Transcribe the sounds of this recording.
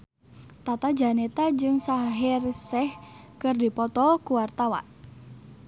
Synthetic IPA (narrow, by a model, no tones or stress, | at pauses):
t̪at̪ḁd͡ʒa̤net̪ad͡ʒɨŋsaɦɪrsɛhkərdi̤pɔt̪ɔkuwart̪awa̰n